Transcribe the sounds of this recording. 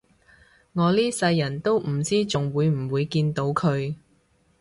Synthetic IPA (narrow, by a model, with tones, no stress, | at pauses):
ŋɔː˨˧liː˥sɐ˧jːɐ˨˩nt̪o˥wm̩˨˩t͡siː˥t͡sʊ˨ŋwuː˨˧jm̩˨˩wuː˨˧jkiː˧nt̪o˨˥wkʰɵ˨˧ɥ